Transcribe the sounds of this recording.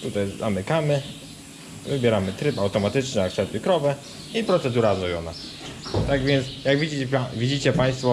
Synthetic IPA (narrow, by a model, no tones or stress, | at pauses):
t̪ut̪ajzamɘkamɘ | vɘbʲjɛɾamɘt̪ɾɘpawt̪ɔmat̪ɘt͡ʂnɛaksɛt̪ɪkɾɔvɛ | ipɾɔt̪sɛd̪uɾazɔjɔna̰ | t̪aɡvʲjɛnt̪sjaɡvʲid͡ʑivʲid͡ʑit͡ɕɛpaj̃st̪fɔ